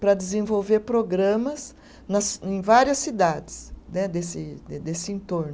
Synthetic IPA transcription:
pɾɐd̪ɪzẽvowveɾpɾoɡɾɐ̃mɐs | nɐsẽj̃vaɾiɐsːid̪ad̪ɪsnɛd̪esɪd̪esɪẽnt̪oɾnʊ

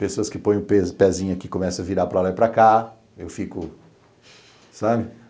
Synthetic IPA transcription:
pesoɐskɪpõj̃ʊ̃pepɛzĩɲɐkɪkõmɛsɐ̃ɐviɾapɾɐlajpɾaka | ewfikʊ | sabɪ

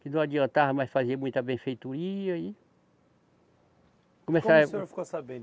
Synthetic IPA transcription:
kɪnɐ̃w̃ad͡ʒiɐ̃t̪avɐmɐjsfaziɐmũj̃t̪ɐbẽfejt̪uɾiɐi | kõmesaoɾfi̥kosabẽnd̪

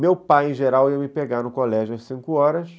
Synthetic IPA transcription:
mewpajẽʒeɾawiɐmɪpeɡaɾnʊkolɛʒʊɐsĩŋkʊɔɾɐs

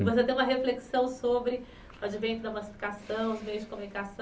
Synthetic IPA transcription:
vos̬et̪ẽj̃ũmɐɦefleksɐ̃w̃sobɾɪ | ʊad͡ʒivẽj̃t̪ʊd̪ɐmasi̥fi̥kasɐ̃w̃ʊzmejʊzd͡ʒɪkomũnikasɐ̃

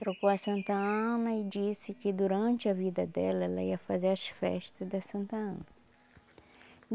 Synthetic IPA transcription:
t̪ɾokoɐsɐ̃nt̪ɐɐ̃nɐɪd͡ʒisɪkɪd̪uɾɐ̃nt͡ʃɪɐvid̪ɐd̪ɛlɐɛlɐiɐfazeɾɐsfɛ̰ʃt̪ɐzd̪ɐsɐ̃nt̪ɐɐ̰̃nɐ

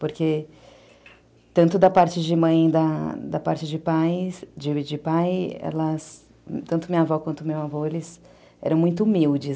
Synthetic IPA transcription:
poɾke | t̪ɐ̃nt̪ʊd̪ɐpaɾt͡ʃɪd͡ʒɪmɐ̃j̃d̪ɐd̪ɐpaɾt͡ʃɪd͡ʒɪpajd͡ʒɪd͡ʒɪpajɛ̰lɐs | t̪ɐ̃nt̪ʊmĩɲavɔkwɐ̃nt̪ʊmewavoelɪs | ɛ̰ɾɐ̃w̃mũj̃t̪̬ʊumiwd͡ʒɪ

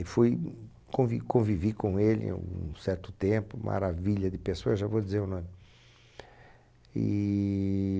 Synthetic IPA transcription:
ɪfuj | kõvikõvivikõelɪ̰ã̰ũsɛɾt̪ʊ̥t̪ẽpʊmʔa̰ɾaviʎɐd̪ɪpesoɐeʒavod̪izeɾʊ̃nõmɪ | ɪ̰

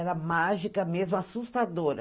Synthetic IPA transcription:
ɛɾɐmaʒikɐmezmʊasust̪ad̪oɾɐ̰

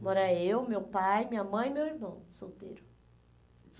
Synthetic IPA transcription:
mɔɾaewmewpajmĩɲɐmɐ̃j̃imewiɾmɐ̃w̃sowt̪ḛɾʊ

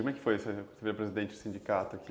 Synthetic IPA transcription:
kom̃ɛkɪ̥fojesseviɾɐpɾezid̪ẽnt͡ʃɪ̥sĩnd͡ʒikat̪ʊaki

